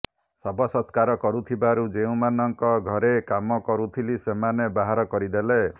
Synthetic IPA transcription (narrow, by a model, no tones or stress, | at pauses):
sɔbɔsɔt̪kaɾɔkɔɾut̪ʰibaɾud͡ʒeũmanɔŋkɔɡʱɔɾekamɔkɔɾut̪ʰilisemanebaɦaɾɔkɔɾid̪ele